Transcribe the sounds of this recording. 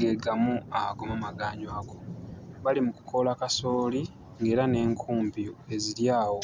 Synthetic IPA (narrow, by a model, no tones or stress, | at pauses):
ɡe̞ɡamuaakomamaɡaːɲwaɡo̞βalimuku̥kʰo̞lakaso̞ːli | ŋɡe̞ːɾane̞ːŋkʰuːmpie̞ziɾjaːwo̞